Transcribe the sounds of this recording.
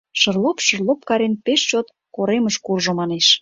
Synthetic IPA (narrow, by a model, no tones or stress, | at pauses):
ʃərlopʃə̆rlˠop̚kɑɾenpeʃt͡ɕot̪ | koɾeməʃkurʒomɑneʃ